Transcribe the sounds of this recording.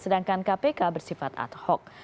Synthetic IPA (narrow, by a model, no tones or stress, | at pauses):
sədaŋkankapekabərsifat̪a̰t̪̚hɔk̚